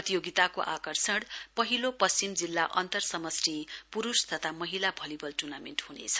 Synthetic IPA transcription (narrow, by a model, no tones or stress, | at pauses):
ʌt̪ijoɡit̪akoʔakʌrsʌɽpʌɦilopʌst͡simd͡zilːaʔʌnt̪ʌrsʌmʌsripuɾust̪ʰʌt̪ʰamʌɦilabʱʌlibʌlʈurnamenʈɦunḛt͡sʰʌ̥